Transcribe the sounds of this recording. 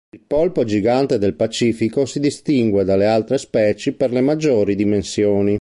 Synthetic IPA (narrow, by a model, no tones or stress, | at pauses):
ilpolpod͡ʒiɡant̪ed̪elpat͡ʃiːfikosid̪ist̪iŋɡwed̪alealt̪ɾespɛːt͡ʃiperlemad͡ʒːoːɾid̪imensjoːni